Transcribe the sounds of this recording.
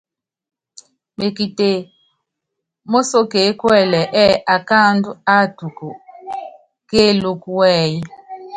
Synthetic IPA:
me˨ki˨te˨ | mo˦so˦ke˨˦kwɛ˦˨lɛ˨ʔɛ˦ʔa˨ka˦ndu˦a˦˨tu˨ku˨ | ke˦lu˦ku˦wɛː˦˨ji˦

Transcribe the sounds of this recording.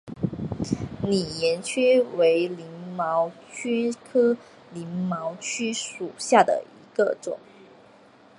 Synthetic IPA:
ni˨˩jɛ˧˥nt͡ɕʰy˥we˧˥ɪli˧˥ŋmɑ˧˥ʊt͡ɕʰy˥kʰɤ˥ | li˧˥ŋmɑ˧˥ʊt͡ɕʰy˥ʂu˨˩ɕja˥˩d̪ə̰˩i˧˥ɡə˧ʈ͡ʂʊ̰˨˩˦ŋ

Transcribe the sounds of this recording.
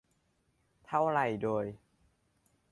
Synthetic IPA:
t̪ʰa˦˥˩wɾa˧˩jdoː˧j

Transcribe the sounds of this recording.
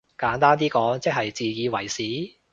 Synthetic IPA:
kaː˨˥nt̪aː˥nt̪iː˥kɔː˨˥ŋt͡sɛ˥k̚ɦɐ˨jt͡siː˨jiː˨˧wɐ˨˩jsiː˨˥

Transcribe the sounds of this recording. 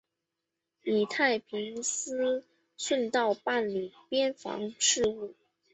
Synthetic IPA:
ni˨˩t̪ʰa˥˩ɪpʰi˧˥ŋsɹ̩˥ | ʂwə˥˧nt̪ɑ˥˧ʊpa˥˩nli˨˩pjɛ˥nfɑ̰˧˥ŋʂɻ̩˥˧u˥˩

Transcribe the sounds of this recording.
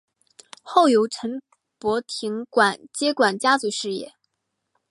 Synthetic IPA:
xo˥˩ʊjo˧˥ʊʈ͡ʂʰə˧˥n | pwɔ˧˥t̪ʰi˧˥ŋkwa˨˩nt͡ɕjɛ˥kwa˨˩nt͡ɕja˥t͡su˧˥ʂɻ̩˥˧jɛ̰˥˩

